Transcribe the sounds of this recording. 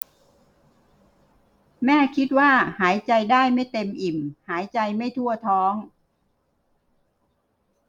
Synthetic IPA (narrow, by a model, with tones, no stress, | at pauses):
mɛː˥˩kʰi˦˥t̪̚waː˥˩haː˩˦jt͡ɕa˧jdaː˥˩jma˥˩jt̪e˧mʔi˨˩mhaː˩˦jt͡ɕa˧jma˥˩jt̪ʰu˥˩ɐt̪ʰɔː˦˥ŋ